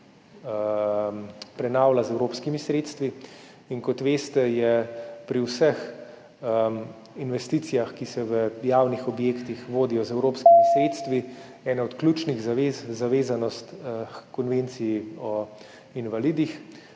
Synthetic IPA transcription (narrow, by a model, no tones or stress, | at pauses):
pɾɛnaːwlazɛwɾoːpskimisɾeːt̪st̪ʋi | inkɔt̪ʋeːst̪ɛjɛpɾiwsəx | ə | inʋɛst̪iːt̪sijaxkisɛʋəjaːwnixɔbjeːkt̪ixʋoːd̪ijɔzɛwɾoːpskimisɾeːt̪st̪ʋi | ɛːnaɔt̪klʲut͡ʃniɣzezzaʋeːzanɔst̪kɔnʋent̪sijiɔ | inʋaliːd̪ix